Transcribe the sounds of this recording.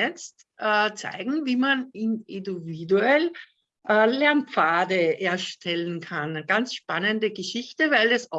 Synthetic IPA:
ɛt͡st | ʔɛt͡sæ̰ɪɡŋ̩viːmanɪnɪdividuɛl | ʔɛːlɛɐmpp͡faːdəeɐʃtʰɛlənkʰanɡ̥ant͡sʃpanəndəɡəʃɪçtəvaɪlɛsɔ

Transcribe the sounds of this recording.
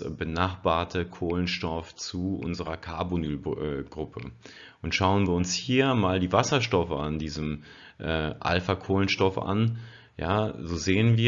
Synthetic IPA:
bənaχb̥aːɐtʰəkʰoːlənʃtɔft͡suʔʊ̰nzəʁɐkʰaɐbonyːlɛɡ̥ʁʊpʰə | ʔʊntʃaʊənviːɐʊnshiːɐmaːldiːvasɐʃtɔfəandiːzəm | ʔɛːʔa̰lfakʰoːlənʃtɔfʔa̰n | jaːzoːzeːənviː

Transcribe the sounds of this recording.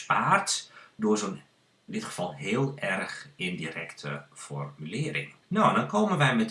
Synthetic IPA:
spaːrtdʊːrzoːn | ɪndɪtxə̥v̥ɑlˠɦɪːəlˠɛrxɪndiɾɛktʰəfɔ̰rmylɪəɾɪ̰ŋ | nondɔnkoːmənʋɛjmɛt

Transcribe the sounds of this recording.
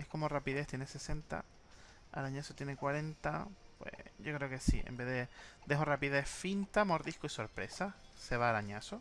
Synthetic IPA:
e̞hko̞morapiðe̞ht̪je̞nese̞se̞nt̪a̰ | a̰ɾaɲasot̪je̞ne̞kwaɾe̞nt̪apwḛʝo̞kɾeoke̞sḭḛmbe̞ðed̪e̞ɦorapiðe̞hfint̪amo̞ɾðihkoiso̞ɾpɾe̞̰sase̞β̞aːɾaɲaso

